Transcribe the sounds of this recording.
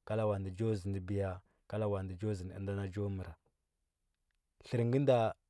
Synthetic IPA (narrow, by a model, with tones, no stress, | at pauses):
ka˦la˦wa˨ndə˨d͡ʒo˦zi˨ndə˨bi˨ja˨ | ka˦la˦wa˨ndə˨d͡ʒo˦zi˨n˨ə̰˦nda˦na˦d͡ʒo˦mə˨ɾa˨ | ɬə˨ɾŋɡə˦nda˦